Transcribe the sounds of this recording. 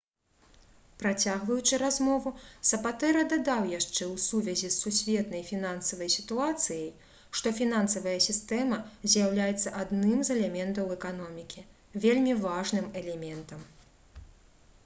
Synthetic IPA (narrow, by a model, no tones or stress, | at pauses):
pɾat͡sʲaɣvɐjut͡ʂɨɾazmɔvusɐpat̪ɛɾɐd̪ad̪awjaʂt͡ʂɛwsuvʲɐzʲisːusʲvʲɛt̪nɐjfʲinansɐvɐjsʲit̪uat̪sɨjɐj | ʂt̪ɔfʲinansɐvɐjɐsʲist̪ɛmɐzʲjawlʲajɛt̪sːɐʔad̪nɨmzɛlʲɛmʲɛnt̪ɐwɛkan̪ɔmʲikʲi | vʲelʲmʲivaʐnɨmɛlʲɛmʲɛnt̪ɐm